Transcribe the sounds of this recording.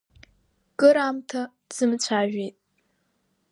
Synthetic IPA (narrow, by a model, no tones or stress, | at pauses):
kʼɨɾamtʰa | z̥ɨmt͡ɕʷʰaːʒᶣejtʼ